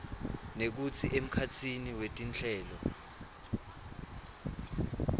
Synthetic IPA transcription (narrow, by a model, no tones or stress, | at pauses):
nek̬ut͡sʰiʔem̩kʰat͡sʰiniwetʼint͡ɬʰɛːlɔ